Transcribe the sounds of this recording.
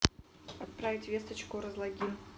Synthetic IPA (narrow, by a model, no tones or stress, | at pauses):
ɐt̪̚pɾavʲɪtʲvʲest̪ət͡ɕkʊɾəzlˠɐɡʲimʲ